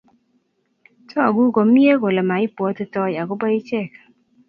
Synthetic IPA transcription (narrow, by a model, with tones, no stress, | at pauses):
tɔ˦a˨ɡu˦ɡo˨˦mi˦e˦ɡo˨lɛ˨ma˨i˦pwɔ˨˦tɪ˦tɔ˦ja˨ɡo˦ba˦i˦t͡ʃɛ˦˨k